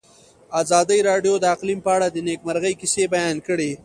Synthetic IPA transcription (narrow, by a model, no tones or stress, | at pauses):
ɑzɑd̪əjɾɑɖjod̪əaqlimpəaɽad̪ənekmaɾɣəjkɪsebajɑnkəɽe